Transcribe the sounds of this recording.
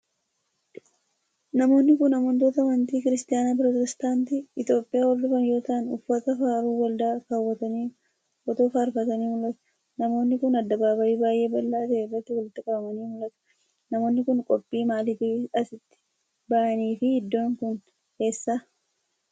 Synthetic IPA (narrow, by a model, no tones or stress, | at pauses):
nɐmo̞ːnːɪkʊnɐmʊnt̪oːt̪ɐmɐnt̪iːkɪɾɪst̪ɪjaːnap̬ɾot̪ɛst̪aːnt̪iɪt̪jo̞ːpʼːɪjaːwɔɾd̪ʊfɐnjo̞ːt̪ɐʔːnʊfːɐt̪ɐfaːɾuːwɐld̪aːkɐːwːɐt̪ɐniː | ʔɔt̪o̞ːfaːɾfɐt̪ɐniːmʊlɐt̪ɐ̥ | nɐmo̞ːnːɪkʊnɐd̪ːɐbaːbɐiːbaːjʔe̞ːbɐlːaːt̪ɐʔɛrːɐt̪ːɪwɐlɪt̪ːɪkʼɐbɐmɐniːmʊlɐt̪ɐ̥ | nɐmo̞ːnːɪkʊnkʼɔpʼːiːmaːlɪt̪ɪɐsɪt̪ːɪ̥ | bɐʔɐniːfɪhɪd̪ːo̞ːŋkʊn | ke̞ːsːaː